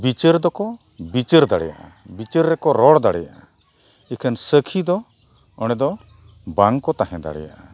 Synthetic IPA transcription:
bit͡ʃəɾd̪ɔkɔ | bit͡ʃəɾd̪aɽɛ̰ja̰ʔa̰bit͡ʃəɾːɛkɔɾɔɽd̪aɽɛjaʔa | ɛkʰənsəkʰid̪ɔ | ɔɽ̃ɛd̪ɔ | baŋkɔt̪aɦɛ̃d̪a̰ɽɛ̰ja̰ʔa

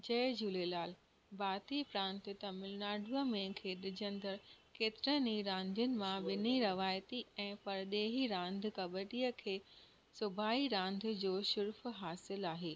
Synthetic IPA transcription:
d͡ʑɐːɪd͡ʑuːlelaːl | baːt̪ipɾãːnt̪ɪt̪ɐmɪlnaːɖʱuəmẽkʰeːɗɪd͡ʑə̃nd̪əɽkeːt̪ɪɾəniɾãːnd̪ʱijʊnɪ̆mãʋɪniɾɐʋaːjt̪iɛ̃ːpɐɾɗeːɦiɾãːnd̪̆ʱkɐbəʈijəkʰeː | sʊbʱaːiɾãːnd̪̆ʱd͡ʑoːʃʊɾfɦaːsɪlaːɦeː

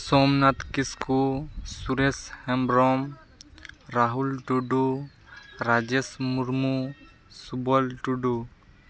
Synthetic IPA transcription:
sɔmnat̪kiskusuɾeshɛmbɾɔm | ɾaɦulʈuɖu | ɾad͡ʒesmuɾmu | subɔlʈuɖu

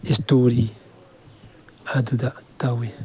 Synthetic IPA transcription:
istoɾi | adudatawe

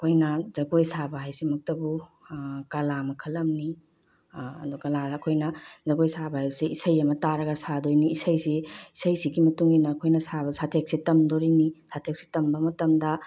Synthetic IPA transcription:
ɐkʰojnɐzɐɡojsabaɦajsimɐk̚tɐbu | kalamɐkʰɐlːɐmni | ɐ̰dukɐlaɐkʰojnɐzɐɡojsabaajseisɐjɐmɐtaɾɐɡɐsadojniːsɐjsiisɐjsiɡimɐtuŋinɐːkʰojnɐsabɐsatʰek̚sitɐmdoɾinisatʰek̚si̥tɐmbɐmɐtɐmdɐ

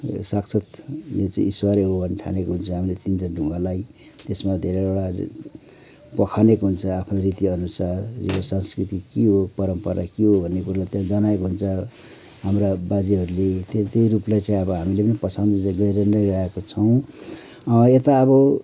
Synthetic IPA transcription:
saksʰʌt̪jot͡sãĩiswaɾeɦobʱʌnːeʈʰa̰nekoɦunt͡sʰʌɦamilet̪ind͡zʌɖʱuŋɡalaj | t̪esmad̪ʱeɾeoɽa | pʌkʰanekɦunt͡sʰʌapʰnoɾit̪iʌnusarːibʌsanskrit̪ikiɦopʌɾʌmpʌɾa̰kiɦobʱʌnːekuɾalajt̪jãd͡zʌnaekoɦunt͡sʰʌ | ɦamrabad͡ziɦʌɾulet̪et̪ejɾuplajt͡sãĩʌbʌɦamilepʌnipʌsʌnd̪d͡zɡʌiɾʌnʌjɾʌekot͡sʰʌw̃ | et̪aːβʌ

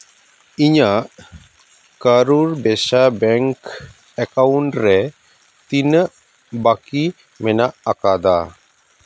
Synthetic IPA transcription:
iɲaʔ | kəɾuɾbɛʃabɛŋk | ɛkawuɳʈɾɛ | t̪inəʔ | baki | mɛnaʔakad̪a̰

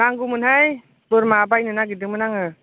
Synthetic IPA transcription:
naŋɡumɯnɦaj | puɾmab̬ajnɯnaɡidɯŋmɯnaŋɯ

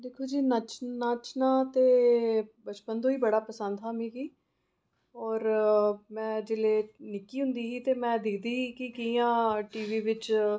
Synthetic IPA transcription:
d̪eːkʰoːd͡ʒiːnət͡ʃnaːt͡ʃnãːt̪eːbət͡ʃpənd̪oːiːbəɽaːpəsənd̪ɦaːmĩːɡiː | ɔːɾmɛ̃ːd͡ʒɪleːnɪkiːɦʊ̃nd̪iːɦiːt̪eːmɛ̃ːd̪ɪkʰd̪iːɦiːkɪkijãːʈiːʋiːʋɪt͡ʃ

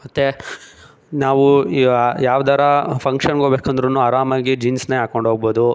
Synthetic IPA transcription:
mɐt̪ːe | naːʋu | jaːʋd̪aːɾɐpʰɐŋkʂɐnɡobeːkɐnd̪ɐɾɐnːuaːɾaːmaːɡid͡ʒinsneɦaːkoɳɖɦoɡboːd̪u

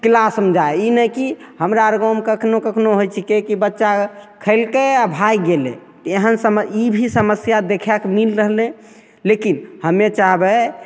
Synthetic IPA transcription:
klasəmd͡ʒʱaeinəkihəmɾaɾɡomkəkʰnokəkʰnoɦojt͡ʃʰikekibətːʃakʰəɪlkeabʱajɡelḛ̃t̪eɦənsəməibʱisəməsjad̪ekʰɛkmilɾəɦlẽ | lekinhəmet͡ʃaɦbɛ

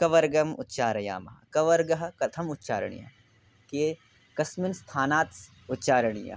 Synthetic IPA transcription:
kɐʋɐɾɡɐmʊ̰t̪ʃaːɾɐja̰ːmɐ̰ɦkɐʋɐɾɡɐɦkɐt̪ʰɐmʊt̪ːʃa̰ːɾɐ̰ɳ̃ḭjɐ̰ | keː | kɐsmɪnst̪ʰaːnaːt̪s | ʊt̪ːt͡ʃaːɾɐɳ̃ija̰

